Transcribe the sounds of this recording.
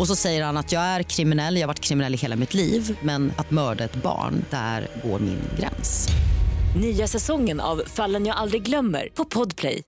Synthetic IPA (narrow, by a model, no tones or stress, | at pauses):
ɔsɔsɛjːəɾhanat̪jɑːɡæɾkʰɾɪmɪnɛlːjɑːhavaʈːkʰɾɪmɪnɛlːɪɦeːlamɪt̪ʰliːvmɛnat̪mœːɖaɛt̪bɑ̰ːɳd̪̥æ̰ɾɡo̰ːɾmɪ̰nɡɾɛ̰ns | nyːasɛsɔŋːəna̰vfalːənjaːald̪ɾɪɡlœmːə̰ɾpʰɔpʰɔd̪pʰlɛ̰j